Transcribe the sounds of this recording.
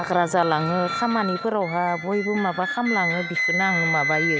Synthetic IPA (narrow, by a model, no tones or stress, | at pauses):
aɡɾazalaŋɯkʰamanibɯɾawɦabojbɯmabakʰamlaŋɯbisɯnaaŋɯmabajɯ